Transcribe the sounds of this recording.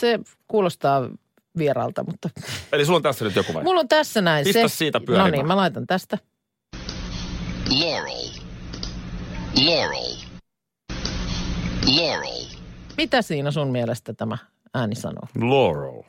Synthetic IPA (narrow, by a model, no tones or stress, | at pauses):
se | kuːlost̪ɑː | ʋierɑ̰ːlt̪ɑ̰mut̪ːɑelisulːont̪æsːænyt̪jokuʋɑ̰mulːont̪æsːænæiniseæssiːt̪æpyænoniːmmælɑit̪ɑnt̪æst̪æ | jenḛi | jenḛi | jenḛimit̪æsiːnæsunmielest̪æt̪æmæ | æːnisɑ̰no̰ːloːro̰l